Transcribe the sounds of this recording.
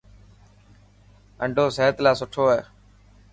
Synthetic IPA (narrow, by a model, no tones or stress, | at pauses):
əɳɖʱoːseːət̪laːsʊʈʰoːeː